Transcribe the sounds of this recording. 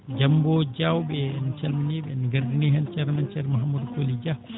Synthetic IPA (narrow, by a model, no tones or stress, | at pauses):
d͡ʒambɔd͡ʒawbɛnit͡ʃɛlminɛɓɛniɡaɾdinɛɦɛnt͡ʃɛɾnant͡ʃɛɾmaɦamːudukolid͡ʒa